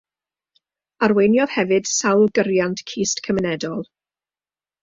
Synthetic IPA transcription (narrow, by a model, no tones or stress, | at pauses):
aɾwejnjɔð̥hɛvɨd̥sawlˠɡəɾjantʰkʰiːstkʰəmənɛdɔlˠ